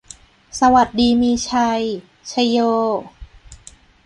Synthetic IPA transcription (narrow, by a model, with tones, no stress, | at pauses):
sa˧wa˨˩t̪̚diː˧miː˧t͡ɕʰa˧j | t͡ɕʰa˧jjoː˧